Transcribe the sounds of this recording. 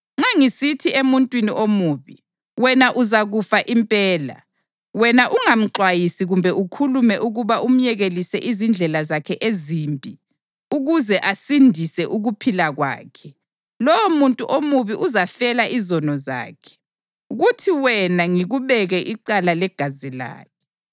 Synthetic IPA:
ŋ͡ǁaŋisitʰiemuntʼwiniʔomuːβi | wɛnaʔuzaɣufaʔimpʼɛːla̰ | wɛnaʔuŋam̩ǁwajisiɣumbʱɛʔukʰulumɛʔuɣuβaʔum̩jɛɣelisɛʔizind͡ɮʱɛlazakʰɛʔezimbʱʼi | uɣuzɛʔasindʱisɛʔuɣupʰilaɣwa̰ːkʰɛ | lɔwomuntʼuʔomuβiʔuzafɛlaʔizɔnɔza̰ːkʰɛ̥ | uɣutʰiwɛnaŋiɣuβɛɣɛʔiǃalalɛɡ̥ʱazila̰ːkʰɛ̥

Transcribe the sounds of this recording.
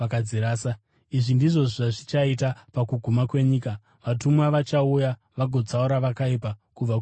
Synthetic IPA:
akad͡zeɾaːsa | iʐindiʐo̞ʐaʐit͡ʃait̬apakuɡʱumakwe̞ɲiːka | ʋatumwaʋat͡ʃauja | ʋaɡʱo̞d͡zauɾaʋakaipakub͡vak

